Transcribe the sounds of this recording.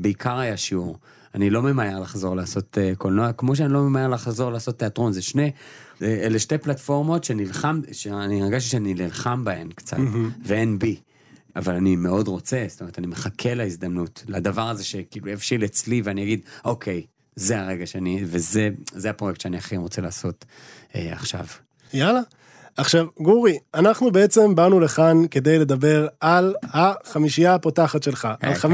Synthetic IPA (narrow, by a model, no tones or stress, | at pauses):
beikʰaʁajaʃiuʁ | anilo̞me̞majeʁlaχzo̞ʁleaːso̞tekolnoakmo̞ʃ̬eanilome̞majeʁlaχzo̞ʁlaːso̞t̪ːeatʁo̞nzeʃne̞ | eleʃteplatfo̞ʁmo̞tʃenilχamʃeaniaɡaʃ̬tiʃeaninilχambaenkt͡sa̰t̪veenbi | avalanime̞o̞dʁo̞t͡se̞st̪omet̪animeχakʰe̞laizd̪amnutlad̪avaʁazeʃekiːlujafʃilet͡sliveaniaɡid̪o̞kʰe̞j | zeaʁeɡaʃeanivezezeapʁojektt͡ʃʃeaniaχeimʁo̞t͡selaːso̞t | ea̰χʃa̰v | jala | aχʃavɡuʁianaχnube̞et͡se̞mbanule̞χanke̞d̪ejle̞d̪abe̞ʁalhaχamiʃijapotaχatʃe̞lχaʔalam